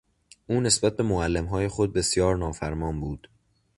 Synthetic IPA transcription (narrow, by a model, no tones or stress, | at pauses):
ʔuːne̞sbæt̪̚be̞moælːemɦɒːje̞xo̞d̪̚be̞sjɒːɾnɒːfæɾmɒːnbuːd̪̥